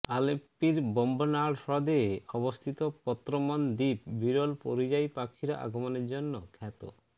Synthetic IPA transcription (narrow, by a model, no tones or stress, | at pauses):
alepiɾbɔmbonaɽsɔd̪eeɔbost̪ʰit̪opɔt̪ːɾomɔnd̪ip̚biɾolpoɾid͡ʑajpakʰːiɾa̰ʔa̰ɡʱomoneɾd͡ʑonːokʰɛt̪o̰